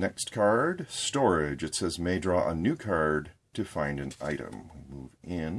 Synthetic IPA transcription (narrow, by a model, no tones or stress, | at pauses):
nɛkstkʰɑɹd̥stɔɹɪd͡ʒɨtsɛzmeɪdɹɔʔənʉkʰɑɹd̚tʰɨfãɪ̃ndɨ̃na̰ɪɾɨ̰̃mwimuvɪ̃n